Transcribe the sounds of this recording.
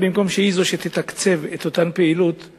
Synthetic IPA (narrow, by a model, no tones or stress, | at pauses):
bimko̞mʃeizoʃet̪et̪akt͡se̞vet̪o̞t̪anpeilut̪